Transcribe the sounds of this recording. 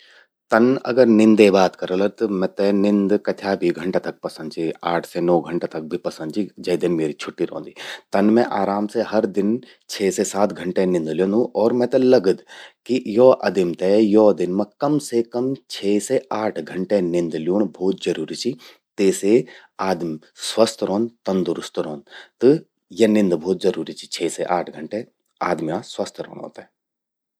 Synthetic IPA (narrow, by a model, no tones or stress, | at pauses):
t̪ɐnɐ̰ɡəɾnɪ̃nd̪ebaːt̪kɐɾolɐt̪omɛ̃t̪enɪ̃nd̪kɐt̪ʰjaːbʱiɡʱɐ̃ɳʈet̪ɐk̚pɐsə̃nd̪̚t͡ʃʰiaːʈʰsenɔːɡʱɐɳʈet̪ɐk̚bʱipɐsənd̪t͡ʃʰid͡ʒɐːd̪ɪnmeːɾit͡ʃʰʊʈːiɾõ̰ːnd̪it̪ɐnmẽʔaːɾaːmseɦɐɾd̪ɪn | t͡ʃʰeːsesaːt̪ɡʱɐ̃ɳʈenɪ̃nd̪ljõnũʔɔːɾmɛ̃t̪elɐɡəd̪kijoːʔɐ̰d̪ɪmt̪ejoːd̪ɪnmẽkɐmsekɐmt͡ʃʰɛːseaːʈʰɡʱɐɳʈenɪ̃nd̪ljoːɳbʱɔːt̪̚d͡ʒɐɾuːɾit͡ʃʰi | t̪eːseaːd̪m | swɐst̪ʰɾõːnt̪ɐnd̪ʊɾʊst̪ɾõːnt̪ɨ | jenɪ̃nd̪bʱoːt̪̚zɐɾuːɾit͡ʃʰi̥t͡ʃʰɛːseʔaːʈʰɡʱɐɳʈe | aːd̪mijãswɐst̪ʰɾo̰ːɳo̰ːt̪ː